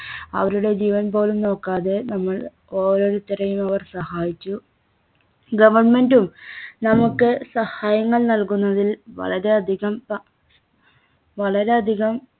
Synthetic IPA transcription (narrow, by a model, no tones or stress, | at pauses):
ɐʋɐɾuɽe̞d͡ʑiːʋɐnpo̞ːlumno̞ːkːaːðe̞nɐmːɐɭ | o̞ːɾo̞ːɾut̪ːiɾɐjumɐʋɐrsɐhaːjit͡ɕːu | ɡɐʋɐrme̞ndumnɐmukːɨsɐhaːjɐŋːɐɭnɐlkunːɐðilʋɐ̰ɭɐɾe̞ɐd̪ʱiɣɐmp | ʋɐɭɐɾe̞ɐd̪ʱiɣɐm